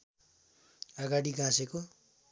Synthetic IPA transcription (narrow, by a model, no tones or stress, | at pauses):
ʌɡaɽiɡãseko